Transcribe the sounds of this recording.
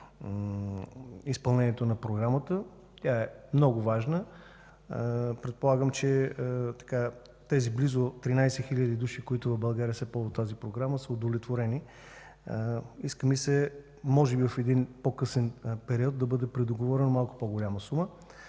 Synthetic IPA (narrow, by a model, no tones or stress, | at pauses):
ispɐlˠnɛniɛt̪onɐpɾoɡɾamət̪ə | t̪ʲaɛmnɔɡʊvaʒnə | pɾɛt̪̚polˠaɡəmt͡ʃɛt̪ɐ̥ka | t̪ɛziblizot̪ɾinajsɛxilʲəd̪id̪uʃikoit̪ʊvɐvbɐlˠɡaɾiəsɛpɔzot̪azipɾoɡɾaməsəod̪ovlʲɛt̪voɾɛni | iskəmisɛ | mɔʒɛbivəfɛd̪inpokɤsɛnpɛɾiɔd̪̚d̪ɐbɤd̪ɛpɾɛd̪oɡovɔɾɛnomalˠkʊ̥poɡolʲaməsumə